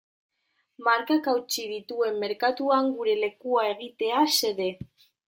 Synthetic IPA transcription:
maɾkakawt͡ʃiðit̪ue̞mːe̞ɾkat̪uaŋɡuɾe̞le̞kuae̞ɣ̞it̪e̞ase̞ðe̞

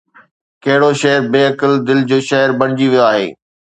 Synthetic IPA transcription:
kɐɦɪɽoʃɐɦɪɾbeːɐkəld̪ɪld͡ʑoːʃɐɦəɾbɐɽ̃ɪd͡ʑiʋijoaːɦḛː

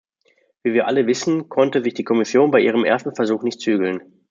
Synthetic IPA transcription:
v̥iːviːɐʔaləvɪsn̩kʰɔntəzɪçd̥iːkʰɔmɪsjoːnbaɪʔiːʁ̞əmʔḛɐstn̩fɛɐzuːxnɪçtt͡syːɡl̩n

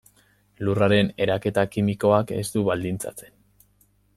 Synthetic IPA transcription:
luraɾe̞ne̞ɾake̞t̪akimiko̞ake̞st̪uβald̪int͡sa̰t͡se̞̥n

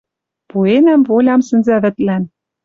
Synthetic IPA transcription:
puenæmvolʲɑmsɘ̆nzæβɘ̆t̪læn

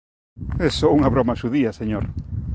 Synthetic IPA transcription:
esouŋɐβɾɔmɐʃuðiɐseɲoɾ

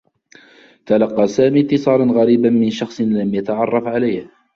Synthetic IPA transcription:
t̪alɑqːɑːsaːmiːt̪ːɪsˤɑːɾˤɑnɣaɾiːbanmɪnʃɑxsˤnlamjat̪aʕɑrˤːɑfʕalajh

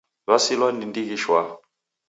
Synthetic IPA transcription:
lwasilwandindikiʃwa

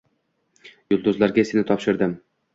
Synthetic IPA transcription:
jʊlˠd̪ʊzlaɾɡʲaesɪnɪt̪ʰɒpʃɪɾd̪ɪm

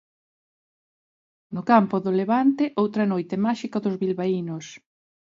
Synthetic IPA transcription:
nʊkampʊðʊleβant̪eʔowt̪ɾɐnojt̪emaʃikɐðʊzβilβainʊs

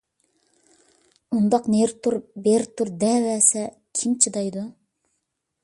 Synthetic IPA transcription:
und̪ɑqneɾt̪ʰuɾbeɾt̪ʰuɾd̪ɛvɛsɛ | kʲʰimt͡ʃʰid̪ɑjd̪u

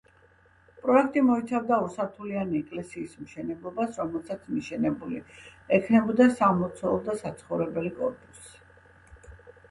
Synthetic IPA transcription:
pʼɾɔɛk̚ʰt̪ʼimɔit̪sʰavd̪ausaɾt̪ʰulianiɛkʼlɛsiːsmʃɛnɛblˠɔbasɾɔmɛlˠsat̪sʰniʃɛnɛbuliɛkʰnɛbɔd̪asamɔt̪sʰɛlˠd̪asat̪sʰχɔvɾɛbɛlikʼɔɾpʼu̥si̥

